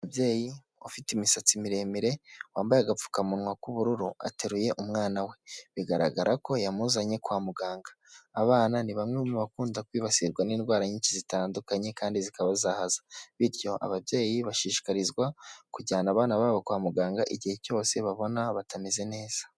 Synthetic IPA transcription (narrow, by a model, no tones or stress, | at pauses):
abje̞ːji | ofitimisat͡simiɾe̞miɾe̞waːmbajaɡap͡fu̥kamunŋwakuβuɾuɾua̰teɾuje̞ʔumŋaːnawe̞βiɡaɾa̰ɡaɾʔako̞jamuzaɲe̞kwaːmuɡaːŋɡḁː | βaːnaniβamŋemuβakuːndakwiːβasiɾɡwaniːnɡwaːɾaɲiːɲt͡ʃizitaːndukaɲe̞kaːndizikaβazahazḁβiɾjo̞ʔa̰βabje̞ːjiβaʃiːʃi̥kaɾizɡwakuɟaːnaβaːnaβaːβokwaːmuɡaːŋɡaʔiɟihe̞co̞ːse̞βaβo̞naβatʰameze̞ne̞ːz̥ḁ